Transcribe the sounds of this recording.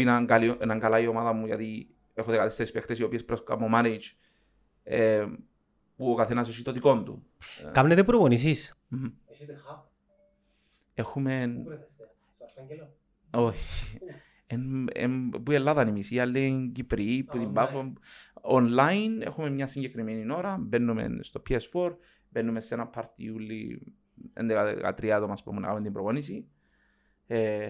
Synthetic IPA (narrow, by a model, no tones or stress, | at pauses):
inaŋɡalienaŋɡalaiomaðɐmːuʝɐ̰t̪i | exoðekat̪ist̪eɾispext̪esio̞piespɾoska̰momaned͡ʒ | e | puokaθenɐs̬os̬it̪ot̪iko̞nd̪ṵ | kamnet̪epuɾoɣonis̬is | exumen | oi | enḛmpuelːaðanimisialːeŋcipɾipːut̪imbafoonlajnḛxumemmɲasiɲɟekɾimeninoɾabenːumḛnst̪opʰiesfoɾ | benːumesenapʰːaɾt̪ḭulːḭ | ḛnd̪ekaka̰t̪ɾiat̪omaspumuna̰a̰mend̪imbɾoponis̬i | e